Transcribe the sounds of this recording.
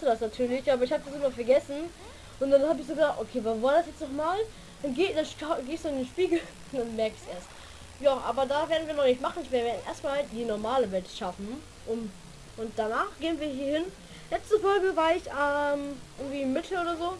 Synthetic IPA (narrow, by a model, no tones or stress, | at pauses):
sədasnatʰyːɐlɪçʔaːbɐɪçhaːbədasɪmɐfɛɐɡɛsn̩ | ʔʊntd̥anhaːbəɪç̬z̥oːɡədaːktʔokʰeːvaːvaːɐdasjɛt͡stnɔχmaːl | d̥anɡeːdanʃaɡeːsd̥uːɪndenʃpiːɡl̩ | d̥anmɛɐkɪçsʔeːɐst | jaːʔa̰ːbɐdaveːɐdn̩viːɐnɔχnɪçtmaχn̩ɪçviːɐveɐdn̩ʔḛːɐstmaːlhaltdiːnɔɐmaːləvɛltʃafn̩ | ʔʊm | ʔʊnt̚d̥anaːχɡ̥eːənviːɐɦiːɐhɪn | lɛt͡stəfɔlɡəvaːɐɪçɛmʔɪɐɡŋ̩tv̥iːmɪtʰl̩oːdɐzoː